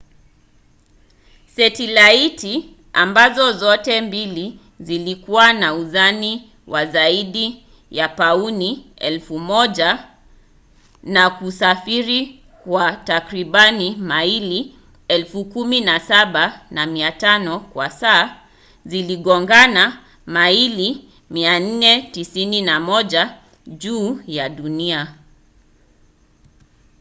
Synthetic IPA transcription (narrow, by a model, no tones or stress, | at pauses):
sɛtilaiti | ambazɔzɔtɛmbili | zilikuwanauzani | wazaiɗi | japauniɛ̰lfumɔʄa | nakusafiɾi | kwatakɾiɓanimaili | ɛlfukuminasaɓanamiatanɔkwasaː | ziliɠɔŋɡana | maili | mian̩nɛtisininamɔʄa | ʄuːjaɗunia